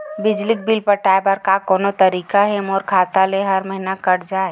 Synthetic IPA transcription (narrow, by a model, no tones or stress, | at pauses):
bɪd͡ʒlik̚bɪlpəɾʈaːebaɾkakɔːnot̪ɐɾiːkaɦɛmoːɾkʰaːt̪aleɦɐɾməɦinakɐɾd͡ʒaːe